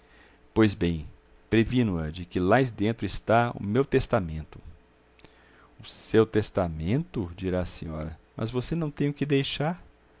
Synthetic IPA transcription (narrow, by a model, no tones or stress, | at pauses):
pojzbẽj̃ | pɾevĩnuɐd͡ʒɪkɪlaɪzd̪ẽnt̪ɾʊɪst̪aʊ̰mewt̪est̪amẽnt̪ʊ̥ | ʊsewt̪est̪amẽnt̪ʊd͡ʒiɾaɐsĩɲɔɾɐ̰mɐ̰zvosenɐ̃w̃t̪ẽj̃ʊkɪd̪ejʃaɾ